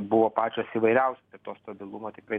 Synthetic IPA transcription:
bʊʋoːpɑːt͡ʃʲoːsiːʋɐɪɾʲɛʊsʲosɪɾt̪oːst̪ɐbʲɪlˠumoːt̪ʲɪkɾɐɪ

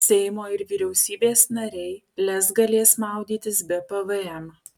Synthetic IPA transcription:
sʲɛɪmoːɪɾʋʲiɾʲɛʊsʲiːbʲeːsnɐɾʲɛɪ | lʲɛsɡɐlʲeːsmɑˑʊd̪ʲiːt̪ʲɪsbʲɛpɐʋɨɛm

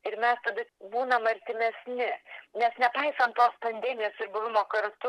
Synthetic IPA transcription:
ɪɾmʲɛst̪ɐd̪ʊbuːnɐmɐɾʲt̪ʲɪmʲɛsʲnʲɪnʲɛsnʲɛpɐɪsɐnt̪t̪ːoːspɐnʲd̪ʲɛːmʲɪjoːsɪɾbʊʋʲɪmoːkɐɾt̪ʊ

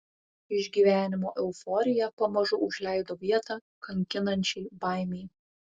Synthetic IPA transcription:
ɪʒʲɡʲiːʋʲæːnʲɪmoːʔɛʊfɔɾʲɪjɛpɐmɐʒʊʔʊʒʲlʲɛɪd̪oːʋʲiɛt̪ɑː | kɐŋʲkʲɪnɐnʲt͡ʃʲɛɪbɑˑɪmʲɛɪ

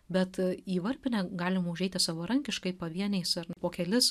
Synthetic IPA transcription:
bʲɛt̪iːʋɐɾʲpʲɪnʲɛɡɑːlʲɪmɐʊʒʲɛɪt̪ʲɪsɑʋɐːɾɐŋʲkʲɪʃkɐɪpɐʋʲiɛnʲɛɪsɐɾpoːkʲɛlʲɪs

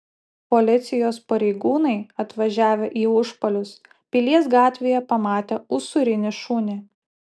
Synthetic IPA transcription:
pɔlʲɪt̪sʲɪjoːspɐɾʲɛɪɡuːnɐɪɐt̪ʋɐʒʲæːʋʲeʔiːʊʃpɐlʲʊs | pʲilʲiɛsɡɑːt̪ʲʋʲejɛpɐmɑːt̪ʲeʊsʊɾʲɪnʲɪʃuːnʲɪ

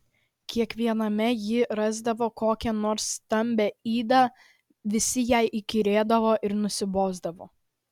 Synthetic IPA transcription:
kʲiɛkʋʲiɛnɐmʲɛjɪɾɑːzd̪ɐʋoːkoːkʲɛnoːɾsːt̪ɐmʲbʲɛiːd̪ɑː | ʋʲɪsʲɪjɛɪʔikʲɪɾʲeːd̪ɐʋoːʔɪɾnʊsʲɪboːzd̪ɐʋoː

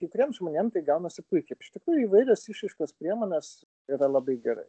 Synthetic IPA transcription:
kɐɪkʊɾʲiɛmʒmoːnʲeːmt̪ɐɪɡɐʊnɐsʲɪpʊɪkʲɛɪpɪ̥ʃʲt̪ʲɪkɾuːjʊiʋɐɪɾʲɛsiʃɐɪʃkɐspʲɾʲiɛmoːnʲɛs | iɾɐlˠɐbɐɪɡʲɛɾɐ̰ɪ

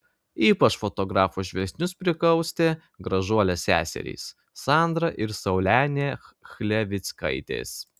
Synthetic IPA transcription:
iːpɐt͡ʃfot̪ɔɡɾɑːfoːʒʲʋʲɛsʲnʲʊspʲɾʲɪkˠɐʊsʲt̪ʲeː | ɡɾɐʒuɔlʲɛsʲæ̰ːsʲɛ̰ɾʲḭːs | sɑˑnd̪ɾɐʔɪɾsɐʊlʲæːnʲeːxʲlʲɛʋʲɪt̪sʲkɐ̰ɪt̪ʲḛːs

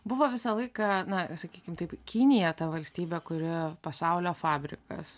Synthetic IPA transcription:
bʊʋoːʋʲɪsɐlˠɐɪkɐnɐsɐkʲiːkʲɪmt̪ɐɪpkʲinʲɪjɛt̪ɐʋɐlʲsʲt̪ʲiːbʲeːkʊɾʲɪpɐsɐʊlʲoːfɑːbʲɾʲɪ̰kɐ̰s

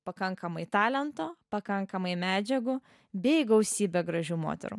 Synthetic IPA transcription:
pɐkɐŋkɐmɐɪt̪ɑːlʲɛnt̪oːpɐkɐŋkɐmɐɪmʲæːd͡ʒʲɛɡʊ | bʲɛɪɡɐʊsʲiːbʲeɡɾɐʒʲuːmo̰ːt̪ʲɛ̰ɾṵ

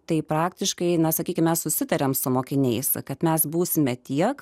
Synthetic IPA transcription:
t̪ɐɪpɾɑːkt̪ʲɪʃkɐɪnɐsɐkʲiːkʲɪmʲɛssʊsʲɪt̪ɐɾʲɛmsʊmoːkʲɪnʲɛɪskɐt̪mʲɛsbuːsʲɪmʲɛt̪ʲiɛk

